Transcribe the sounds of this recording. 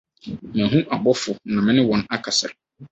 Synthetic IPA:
mã˨ɦũ˦ʔa˨bɔ˦fʊ˨nã˨mɪ̃˦nɪ̃˦wɔ̃˨na˦kʰa˨sa˨ɾ

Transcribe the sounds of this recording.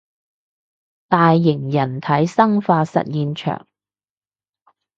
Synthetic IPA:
t̪aː˨jːɪ˨˩ŋjɐ˨˩nt̪ʰɐ˨˥jsɐ˥ŋfaː˧sɐ̰˨t̚jiː˧nt͡ʃʰœ̰ː˨˩ŋ

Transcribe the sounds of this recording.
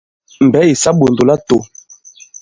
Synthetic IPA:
m̩˨bɛ˨˦i˨sa˦ɓo˨ndo˨la˦to˨

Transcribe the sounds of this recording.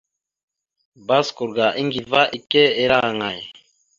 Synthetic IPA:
ba˦sku˨ɾɡa˨ʔi˦ŋɡi˨va˦ʔi˨kɛ˦e˨˦ɾa˦˨ŋa˨j

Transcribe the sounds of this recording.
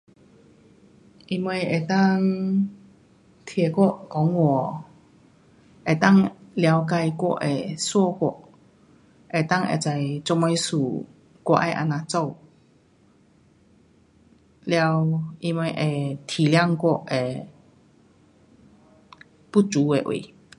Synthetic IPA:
ʔi˧mwɛ˧je˨˩t̪a˥˧ŋ | t̪ʰjɛ˨˩kwɔ˥˧˨ʔkɔ˨˦ŋwɔ˨˩ | e˨˩t̪a˥˧˨ŋlja˧wk̬a˧jkwɔ̰˥˧˨ʔe˨˩swɔ˥˧kwɔ̰˥˧˨ʔ | ʔe˨˩t̪a˥˨ŋḛ˨˩t͡sa˧˩jt͡sɔ˧ŋmɛ˧jsu˨˩ | kwɔ̰˧ʔa˥˧jʔa̰˧nã˧t͡sɔ˥˧˨ | lja˧wʔi˧mwɛ˧jʔe˨˩t̪ʰi˨˩lja˥˧ŋkwɔ˥˧˨ʔe˨˩ | pu˥t͡su˨˦e˨ʔwḛ˨˩˨

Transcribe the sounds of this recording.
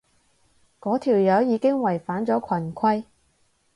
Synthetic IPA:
kɔː˨˥t̪ʰiː˨˩wjɐː˨˧˥wjiː˨˧kɪ˥ŋwɐ˨˩jfaː˨˥nt͡sɔː˨˥kʷʰɐ˨˩nkʰɐ˥j

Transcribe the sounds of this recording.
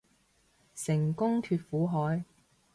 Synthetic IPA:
sɪ˨˩ŋkʊ˥ŋt̪ʰyː˧t̚fuː˨˥ɦɔː˨˥j

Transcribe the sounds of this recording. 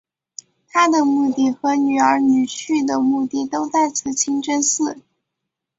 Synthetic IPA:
t̪ʰa˥d̪ə˨mu˥˧t̪i˥˩xɤ˧˥ny˨˩ə˞˧˥ny˨˩t͡ɕʰy˥˩d̪ə˩mu˥˧t̪i˥˩t̪o˥ʊt̪a˥˩ɪt͡sʰɹ̩˧˩t͡ɕʰi˥ŋʈ͡ʂə˥nsɹ̩˥˩

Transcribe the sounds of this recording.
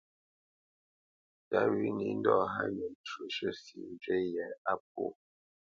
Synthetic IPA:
ta˦wi˦ni˦n̩˦dɔ˦˨ɦa̰˦ɲə˨t͡ʃu˨ʃə˦sḭ˨˦d͡ʒɥe˦jɛ˨a˦p̚o̰˦˨

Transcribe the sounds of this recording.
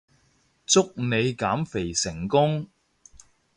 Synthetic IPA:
t͡sʊ˥k̚ne˨˧jkaː˨˥mfe˨˩jsɪ˨˩ŋkʊ˥ŋ

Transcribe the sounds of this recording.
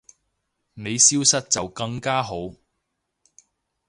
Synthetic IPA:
ne˨˧jsiː˥wsɐ˥t̚t͡sɐ˨wkɐ˧ŋkaː˥ɦo˨˥w

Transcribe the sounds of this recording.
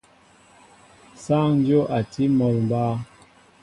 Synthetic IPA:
sa˦ŋ˦djo˦ʔa˨tʰi˦mɔ˨lm˨baː˦

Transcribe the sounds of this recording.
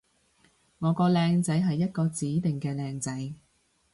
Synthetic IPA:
ŋɔː˨˧kɔː˧lɛː˧ŋt͡sɐ˨˥jɦɐ˨jːɐ˥t̚kɔː˧t͡siː˨˥t̪ɪ˨ŋkɛː˧lɛː˧ŋt͡sɐ˨˥j

